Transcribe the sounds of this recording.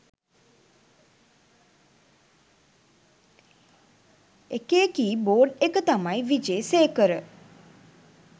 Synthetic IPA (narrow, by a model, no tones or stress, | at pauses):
ekekiːboːɖekət̪amajʋid͡ʒeːseːkəɾə